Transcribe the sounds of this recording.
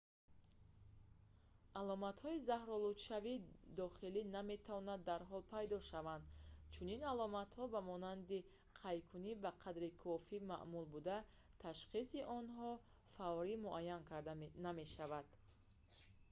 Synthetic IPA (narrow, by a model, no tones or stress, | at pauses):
ʔalɔmat̪hɔizahɾɔlut̪ʃavid̪ɔχiliname̞t̪ʰavɔnad̪ːaɾɦɔlpʰajd̪ɔʃavand̪t͡ʃʰuninalɔmat̪hɔbamɔnand̪i | qʰajkʰunibaqʰad̪ɾikʰɔfima̰ʔmulbud̪a | t̪ʰaʃχisiʔɔnɦɔ | faɔɾimuʔajːankʰaɾd̪aname̞ʃavad̪̥